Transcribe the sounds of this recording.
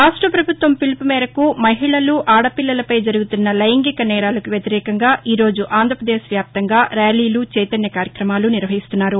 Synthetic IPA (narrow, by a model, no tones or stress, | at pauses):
aːʂʈɾɐpɾɐbʱut̪ʋɐmpilpumɛːɾɐkumɐɦiɭɐluʔaːɽɐpilːɐlɐpɐjd͡ʒɐɾuɡut̪unːɐlɐjɐŋɡikɐnɛːɽaːlɐkuʋjɐt̪iɾɛːkɐŋɡaːʔiːɾo̞ːd͡ʒuʔaːnd̪ʱɾɐpɾɐd̪eːʃʋjaːp̚t̪ɐŋɡaːɾaːliːlut͡ʃɛjt̪ɐnjɐkaːɾjɐkɾɐmaːluniɾʋɐɦist̪unːaːɾu